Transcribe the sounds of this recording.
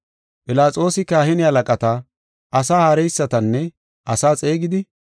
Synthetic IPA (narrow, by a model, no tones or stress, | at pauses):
pʼɪlaːt͡sʼo̞ːsɪkaːhɪnɪhɐlɐkʼɐt̪ɐ | ʔɐsaːhaːɾɛjsːɐt̪ɐnːɛ | ɐsaːt͡sʼe̞ːɡɪd̪ɪ